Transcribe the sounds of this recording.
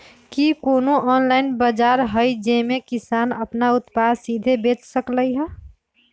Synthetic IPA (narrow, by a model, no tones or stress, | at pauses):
kikoːnoɔːnlaːɪnbəd͡ʒaːɾɦəid͡ʒemekɪsaːnəpnaʊt̪pasid̪ʱebeːt͡ʃsəkləiɦɛ